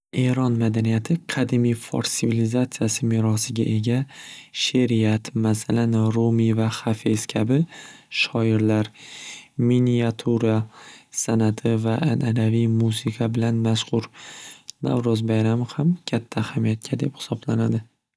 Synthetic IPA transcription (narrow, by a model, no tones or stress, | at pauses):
e̞ɾɒnmad̪anijat̪ʰɪqʰɑd̪ɪmijfo̰ɾsɪvilizat̪sijasɪmɪɾɒsɪɡʲa̰ʔe̞ɡʲaʃeɾiat̪masalanɾomivahafeskʲʰabɪʃɒɪɾlaɾ | minijat̪ʰuɾasanat̪ʰɪvaʔːnʔalavijmusɪqʰabɪlanmaʃqʊɾ | na̰vɾɒzbajɾamɪhamkʲʰat̪ʰːaːhamijat̪̚kʰʲad̪e̞phɪ̥sɒblanad̪ɪ